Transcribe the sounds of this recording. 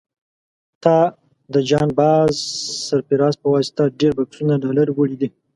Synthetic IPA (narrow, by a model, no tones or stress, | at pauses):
t̪ɑ | d̪əd͡ʒɑnbɑzsaɾpiɾɑspəwɑsɪ̥t̪aɖeɾbaksunaɖɑlaɾwəɽid̪i